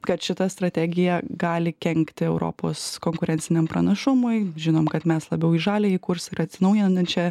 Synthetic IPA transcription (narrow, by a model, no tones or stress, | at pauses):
kɐt̪ʃʲɪt̪ɐst̪ɾɐt̪ʲæːɡʲɪjɛɡɑːlʲɪkʲɛŋʲkt̪ʲɪɛʊɾo̰ːpo̰ːskoːŋkʊɾʲɛnʲsʲɪnʲɛmpɾɐnɐʃʊmʊɪʒʲɪnoːmkɐt̪mʲɛslˠɐbʲɛʊiʒɑːlʲeːiːkʊɾsɪɾɐt̪ʲsʲɪnɐʊjɪnɐnɐnt͡ʃʲɛ